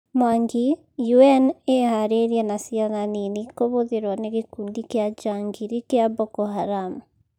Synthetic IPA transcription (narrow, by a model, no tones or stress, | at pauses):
mwaŋɡi | juɛnehaɾeɾiɛnasiananinikoβoðeɾwaneɣekuːndikjad͡ʒaŋɡiɾikjaβɔkɔhaɾamu